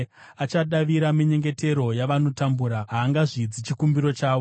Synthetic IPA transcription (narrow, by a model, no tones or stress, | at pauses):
at͡ʃaɗaʋiɾamiɲe̞ŋɡe̞te̞ɾo̞jaʋano̞tambuɾaɦaːŋɡaʐid͡zit͡ʃikumbiɾo̞t͡ʃaːʋo